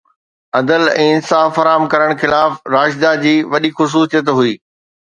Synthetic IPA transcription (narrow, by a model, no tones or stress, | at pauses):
ɐd̪əlɛ̰̃ːɪnsaːfːɐɾaːmkɐɾəɽ̃xɪlaːfɾaːʃd̪ad͡ʑiːʋɐɗixʊs̬uːsijət̪̬ɦuiː